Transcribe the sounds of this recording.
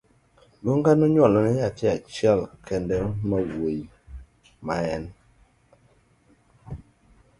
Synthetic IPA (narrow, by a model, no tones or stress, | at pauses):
loŋɡanoɲɔlɔnɛjatiat͡ʃɛlkɛndɛmawwej | maɛn